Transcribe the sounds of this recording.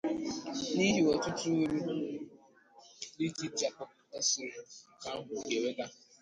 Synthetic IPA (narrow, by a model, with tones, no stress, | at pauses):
ni˦ɦi˨ɔ˨tʊ˦tʊ˦ɾi˦ | li˦ti˦t͡ʃa˨kɔ˦ | ɛ˦sɪ˨ɾʊ˨ka˦ɦʊ˨ke˨we˦da˦